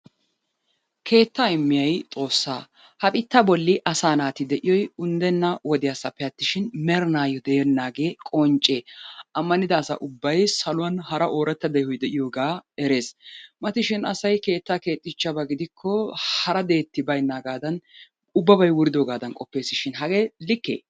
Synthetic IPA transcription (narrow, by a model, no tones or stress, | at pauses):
kʰe̞ːt̪ːaɪmːɪjɐjt̪ʼo̞ːsːa̰ː | hɐpʼɪt̪ːɐbɔlːɪʔɐsaːnaːt̪ɪd̪ɛʔɪjɔjʊnd̪ɛnːɐwɔd̪ɪjasɐpːɛɐt̪ːɪʃɪnmɛɾnaːjɔd̪ɛjɛnːaːɡe̞ːkʼɔnt͡ʃʼːeːʔɐmːɐnɪd̪ɐːsɐ̰ʔʊbːɐjsɐlʊwɐnhɐɾɐʔo̞ːɾɛt̪ːɐd̪ɛjhɔjd̪ɛʔɪjoːɡaːɛɾe̞ːsmɐt̪ɪʃɪnɐsɐjke̞ːt̪ːake̞ːt̪ʼːɪt͡ʃːɐbɐɡɪd̪ɪkʰːɔhɐɾɐd̪e̞ːt̪ːɪbɐjnːaːɡaːd̪ɐn | ʊbːɐbɐjwʊɾɪd̪oːɡaːd̪ɐnkʼɔpːe̞ːsɪʃɪnɦɐɡeːlɪkːḛː